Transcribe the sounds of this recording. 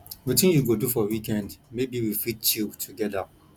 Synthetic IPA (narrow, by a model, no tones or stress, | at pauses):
witĩnjuɡodufɔwikɛ̃ndmebiwifitt͡ʃiltʰuɡɛda